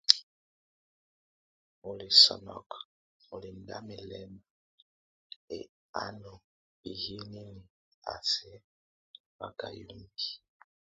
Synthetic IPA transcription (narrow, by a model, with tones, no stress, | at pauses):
o˨li˨sɔ̰˨nɔ̰˨k | o˨li˨nda̰˦mi˨lɛ˦ma˨ | ḛ˨ | a˦no˨ | i˨hi˦ni˦ni˨ | a̰˨sɛ˦ | ba˨ka˨ju˨˦mbi̥˦